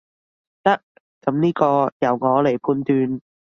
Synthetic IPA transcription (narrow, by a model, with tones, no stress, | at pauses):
t̪ɐ˥k̚ | t͡sɐ˨˥mniː˥kɔː˧jɐ˨˩wŋɔː˨˧le˨˩jpʰuː˧nt̪yː˧n